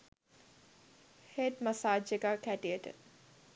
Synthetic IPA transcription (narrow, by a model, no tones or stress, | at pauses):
het̪masaːd͡ʒeɡaːkæʈijəʈə̰